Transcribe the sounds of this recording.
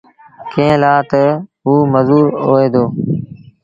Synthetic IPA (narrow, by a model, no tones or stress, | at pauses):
kẽːlaːt̪əɦuːməzuːɾoːeːd̪oː